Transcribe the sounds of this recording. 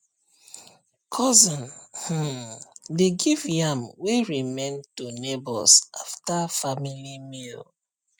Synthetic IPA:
kʰɔzɔ̃nh̩ | deɡivjamweɹimẽntunebɔ̰lsʔa̰ftafamilimil

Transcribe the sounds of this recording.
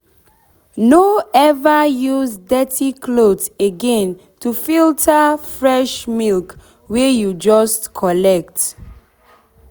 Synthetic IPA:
noɛvajuzdɛtʰikʰloteɡɛ̃n | tufiltʰafɹɛʃmilk | wejud͡ʒɔstkʰɔlɛk̚t

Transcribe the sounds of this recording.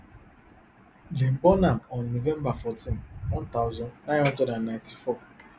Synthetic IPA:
lem̩bɔnam̩ɔnːovembafɔtinwɔ̃n̩taʊzɔnnaɔd͡ʒɔdannãnti̥fɔ

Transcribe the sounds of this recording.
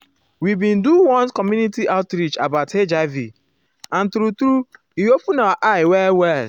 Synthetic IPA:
wibĩnduwɔ̃nkɔmjunitiʔaʊtɾit͡ʃabaʊtʰed͡ʒaɪvi | ãnt̪ɾut̪ɾu | iopũnawaʔaɪwɛwɛl

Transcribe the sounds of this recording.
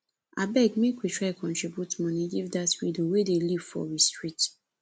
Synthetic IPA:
abɛɡmekwitʰɹakʰɔ̃ntɹibjutmɔ̃niɡivdatɹidowedeliv̥fɔ̰ɹistɹit

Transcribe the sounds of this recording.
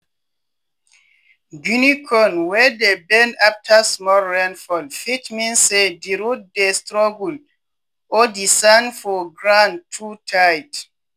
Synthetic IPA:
ɡunikʰɔ̃nwɛdebɛ̃naftʰasmɔlɹɛ̃nfɔlfitmĩnsediɹut̚destɹɔɡul | ɔdisãnfɔɡɹãntʰutʰajt

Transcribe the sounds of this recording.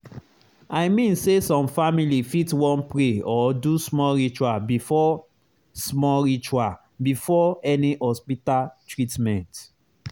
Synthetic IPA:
aɪmĩnsesɔ̃mfamilifitwɔ̃npɹeɔdusmɔlɹit͡ʃuabifɔ | smɔlɹit͡ʃua | bifɔɛnihɔspitaltɹitmɛ̃nt

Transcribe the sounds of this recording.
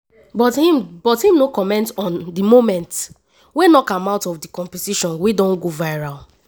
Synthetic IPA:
bɔthimb̥ɔthĩmnokɔmɛ̃ntɔ̃ndimomɛ̃nt | wenɔkãmaʊtɔfdikɔ̃mpɛtiʃɔ̃nwidɔ̃nɡovaɪɹal

